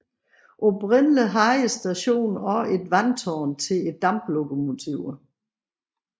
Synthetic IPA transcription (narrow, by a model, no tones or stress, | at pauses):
ʔobʰʁɛn̰ləɦɑ̈ɪəsd̥æɕo̝̰ːnɒe̝d̥ʋænt͡sʰɒːnt͡sʰe̝le̝d̥ːɑ̈mb̥loɡ̥ʰomo̝t͡sʰiʊ